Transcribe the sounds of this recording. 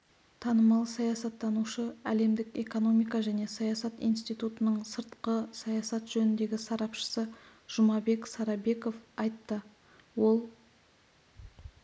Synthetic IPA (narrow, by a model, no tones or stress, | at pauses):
t̪ʰɑnəmɑlˠsɑjɑsɑt̪ːɑnuʃəæle̞md̪ɪke̞ko̞no̞mijkɑʒæne̞sɑjɑsɑt̪ḭjnst̪ijt̪ut̪ənəɴsəɾt̪qəsɑjɑsɑt̪ʒɵnɪnd̪e̞ɡʲɪsɑɾɑpʃə̥sə | ʒ̥ʊmɑbe̞ksɑɾɑbe̞ko̞fɑjt̪ːə | wo̞lˠ